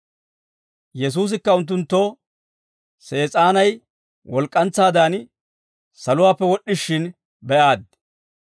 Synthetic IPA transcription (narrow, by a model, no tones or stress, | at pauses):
jɛs̬uːs̬ɪkːɐʊnt̪̬ːʊnt̪ːoː | se̞ːt͡sʼaːnɐj | wɔlkʼːɐnt͡sːaːd̪aːn | sɐlʊwaːpːɛwɔɗːɪʃːɪn | bɛʔaːd̪